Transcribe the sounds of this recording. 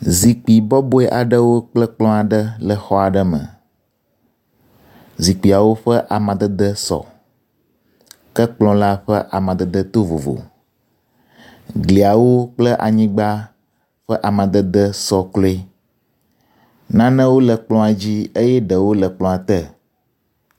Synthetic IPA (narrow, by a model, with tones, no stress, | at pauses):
zi˨k͡pi˨bɔ˦bo˦ɛ˦ʔa˨ɖə˦wo˦k͡plə˦k͡plɔ̃˦a˨ɖə˦lə˨xɔ˦a˨ɖə˦mə̰̃˨ | zi˨k͡pi˨a˨wo˦ɸə˦ʔa˨mã˨d̪ə˦d̪ə˦sɔ̰˨ | kə˦k͡plɔ̃˦la˦ɸə˦ʔa˨mã˨d̪ə˦d̪ə˦t̪o˦vo̰˨vo̰˨ | ɡli˨a˨wo˦k͡plə˦ʔa̰˨ɲĩ˦ɡ͡ba˦ | ɸə˦ʔa˨mã˨d̪ə˦d̪ə˦sɔ˨klɔ˦e˦ | nã˦nə̃˦wo˦lə˨k͡plɔ̃˦a˨d͡ʑi˦e˦jɛ˦ɖə˨wo˦lə˨k͡plɔ̃˦a˨t̪ə˦